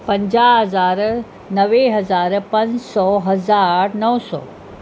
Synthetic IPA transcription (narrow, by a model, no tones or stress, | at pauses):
pə̃ɲd͡ʑaɦəzaːɾ | nɐʋeɦɐzaːɾpɐ̃nd͡ʑsɔːɦɐzaɾnəwsɔ̰ː